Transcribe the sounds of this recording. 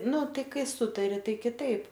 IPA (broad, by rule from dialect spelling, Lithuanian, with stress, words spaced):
ˈnʊ ˈtɐɪ ˈkɐɪ ˈsʊtɐrʲɪ ˈtɐɪ kʲɪˈtɐɪp